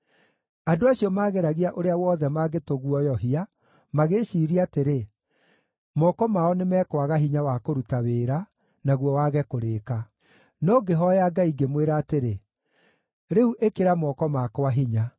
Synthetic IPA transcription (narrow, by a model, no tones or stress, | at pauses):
adoaɕiɔmaːɣeɾaɣiaʔoɾeawɔːðɛmaːɡetoɣwɔjɔɦia | maɣeʃiːɾiateɾe | mɔkɔmaɔnemɛːkwaɣaɦiɲawakoɾutaweːɾa | naɣwɔwaɣɛkoɾeːka | nɔɡeɦɔjaɡaiɡemweɾaːteɾe | ɾeuʔekeɾamɔkɔmakowaɦiɲa